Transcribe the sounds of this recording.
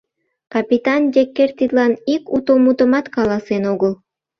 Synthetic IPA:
kɑpit̪ɑnd̪ʲekːert̪id̪lɑnikut̪omut̪əmɑt̪kɑlɑsenoɣəl

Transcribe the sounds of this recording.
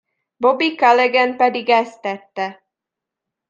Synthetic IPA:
bobikalɛɡɛnpɛd̪iɡɛst̪ɛt̪ːɛ

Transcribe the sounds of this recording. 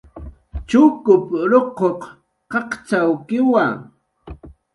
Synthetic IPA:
t͡ʃʊkʊpɾoqoq | qɑqt͡ʃawkɪwaŋ

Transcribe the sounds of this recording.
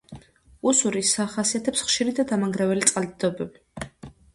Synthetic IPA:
usuɾisaχasiat̪ʰɛpsχʃiɾid̪ad̪amaŋɡɾɛvɛlit̪sʼqʼald̪d̪ɔbɛbi

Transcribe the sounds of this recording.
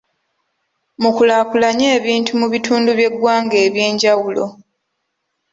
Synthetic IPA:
mukulakulaɲe̞ːβiːntumuβitʰuːnduβje̞ɡwaːŋɡe̞ːβje̞ːɲɟawulo̞

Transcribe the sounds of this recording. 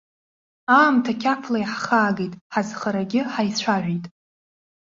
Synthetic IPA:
aːmtʰakʲʰapʰlajħχaːɡejtʼħazχəɾaɡʲɪħajt͡ɕʷʰaʕʷᶣijtʼ

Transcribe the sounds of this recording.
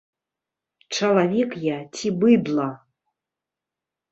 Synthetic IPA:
t͡ʂɐlˠavʲɛkjat͡sʰʲibɨd̪lˠa

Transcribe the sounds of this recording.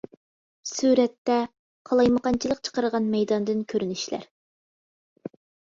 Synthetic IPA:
suɾɛt̪ːɛ | qʰɑlˠɑjməqɑnt͡ʃʰilˠəq̚t͡ʃʰə̥qəɾəʁɑnmɛjd̪ɑnd̪ɨnkʲʰøɾynyʃlæ̰ɾ

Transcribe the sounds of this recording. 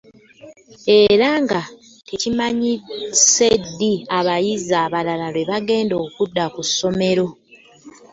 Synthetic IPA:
e̞ɾaŋɡa | te̞cimaɲise̞dːiaβajizaːβalalaleβaɡe̞ːndo̞ːkudːakusːo̞me̞ɾo̞

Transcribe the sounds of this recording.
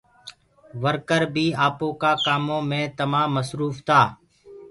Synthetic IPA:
ʋəɾkəɾbʱiːaːpõːkaːkaːmõːmẽːt̪əmãːməsɾuːft̪aː

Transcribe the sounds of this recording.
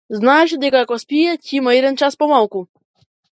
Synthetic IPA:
znaʃd̪ekakɔspʲijɛcʲimaiɾɛnt͡ʃaspɔmalˠku

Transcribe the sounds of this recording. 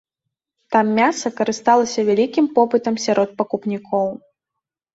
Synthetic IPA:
t̪amːʲasɐkɐɾɨst̪alˠɐsʲɐvʲalʲikʲimpɔpɨt̪ɐmsʲaɾʔɔt̪̚pɐkupnʲikʰɔw

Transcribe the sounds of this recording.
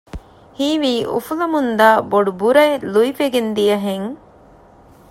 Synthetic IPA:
hiːʋiːʔṵfulɐmund̪aːboɖubuɾɐeluifeɡend̪ijɐɦeŋ

